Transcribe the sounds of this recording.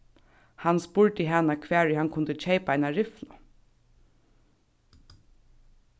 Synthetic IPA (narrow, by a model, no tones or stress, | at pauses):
hanspʊɹt̪ɪɦanakʰʋæːɹɪhankʰʊnt̪ət͡ʃʰejpaaɪnaɹɪflʊ